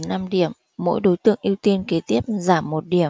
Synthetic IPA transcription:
na˧mɗi˧˩əmːo̰˧˥jɗo˨˦jt̪ɨ̰˧˨əŋʔi˧əwt̪i˧ənke˨˦t̪i˦˥əp̚zaː˧˩mːo˨˩t̚ɗi˧˩ə

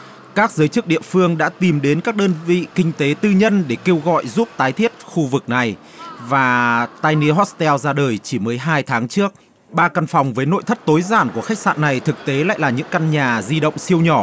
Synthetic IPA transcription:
kaː˦˥k̚zəː˨˦jt͡ɕɨ˦˥k̚ɗḭ˧˨əfɨ˧əŋɗa̰ː˧˥t̪i˨˩mɗe˨˦nkaː˦˥k̚ɗəː˧nvḭ˧˨kï˧ŋ̟t̪e˨˦t̪ɨ˧ɲə˧nɗe˧˩ke˧wɣɔ̰˧˨jzu˦˥p̚t̪aː˨˦jt̪ʰi˦˥ət̚xu˧vɨ˨˩k̚na˨˩j | vaː˨˩t̪aː˧jni˧ɦɔ˦˥t̚st̪ɛ˧wzaː˧ɗəː˨˩jt͡ɕi˧˩məː˨˦jɦaː˧jt̪ʰaː˨˦ŋt͡ɕɨ˦˥ək̚ | ɓaː˧ka˧nfa˨˩wŋ͡mvəː˨˦jno̰˧˨jt̪ʰə˦˥t̚t̪o˨˦jzaː˧˩nku˧˩xa˦˥k̚sa̰ː˧˨nːa˨˩jt̪ʰɨ˨˩k̚t̪e˨˦la̰ː˧˨jlaː˨˩ɲɨ̰˧˥ŋka˧nɲaː˨˩zi˧ɗə̰˧˨wŋ͡msi˧əwɲɔ˧˩

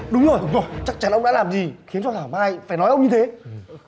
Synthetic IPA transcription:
ɗʊ˨˦ŋ͡mzo˨˩jŋ͡mzo˨˩jt͡ɕa˦˥k̚t͡ɕa˨˦nʔə˧wŋ͡mɗa̰˧˥laː˨˩mzi˨˩xi˨˦ənt͡ɕɔ˧t̪ʰaː˧˩maː˧jfaː˧˩jnɔ˨˦jʔə˧wŋ͡mɲɨ˧t̪ʰe˨˦˨

